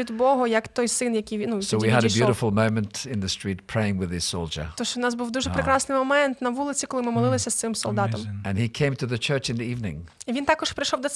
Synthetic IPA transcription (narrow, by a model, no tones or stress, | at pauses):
id̪bɔɦɔjɐkt̪ɔjsɪnjɐkʲijnusoʊwiəɾɨbjʉɾɨfl̩ˠmõʊ̃mɨ̃ntɪ̃nðɨstɹ̥it̚pʰɹ̥eɪɪ̃ŋwɨð̥ɪz̥soʊlˠd͡ʒə̰˞t̪ɔʃt͡ʃɔnɑsbuwd̪uʒɛpɾekɾɑsnɪjmɔmɛnt̪nɐʋulˠɪt͡sʲikɔlˠɪmɪmɔlˠɪlˠɪsʲɐst̪sɪmsɔlˠd̪ɑt̪ɐmɨ̃nikʰẽɪ̃mtʰɨðɨt͡ʃʰɜ˞t͡ʃɨ̃nðiivnɪ̰̃ŋiʋint̪ɑkɔʃpɾɪjʃɔwd̪ɔ